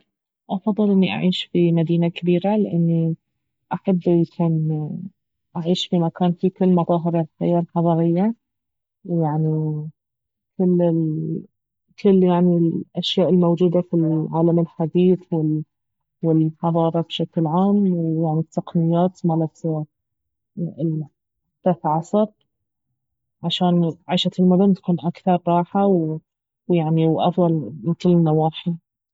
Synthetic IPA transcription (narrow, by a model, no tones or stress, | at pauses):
ʔɑfɑðˤːɨlʔɪnːiʔa̰ʕiːʃfimad̪iːnakabiːɾalɪʔɪnːi | ʔaħabːjakʰuːn | ʔaʕiːʃfimakaːnfikɪlːmɑðˤɑːɦɪɾalħa̰jːalħɑðˤɑːɾɪjːa | jaʕni | kɪlːɪl | kʰɪlːjaʕnilʔaʃjaːʔɪlmowd͡ʒuːd̪afilʕaːlamɪlħad̪iːθwɪ | wɪlħɑðˤɑːɾˤɑbʃaklʕaːmwjaʕnit̪ːɑqnɪjːaːt̪malat̪ | t̪aθʕɑsˤɑb̚ | ʕaʃaːnʕaːʃat̪ɪlmʊd̪ʊnt̪ḁkuːnʔakθɑɾˤːɑːħaw | wjaʕniwʔɑ̰fðˤɑlkɪlːɪnːawaːħi